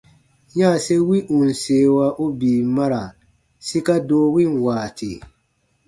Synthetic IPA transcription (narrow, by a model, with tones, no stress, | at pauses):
ɲa˦˨sɛ˦wi˦ʔu˨n̩˨seː˨wa˦ʔo˦biː˨ma˦ɾa˨ | si˦ka˦doː˦wi˦nwaː˨tʰɪ˨